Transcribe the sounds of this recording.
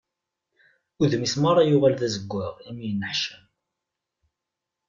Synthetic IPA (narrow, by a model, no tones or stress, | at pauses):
uðmismaɾˤɑjuʁælðæzəɡʷːəʁimijənːəħʃəm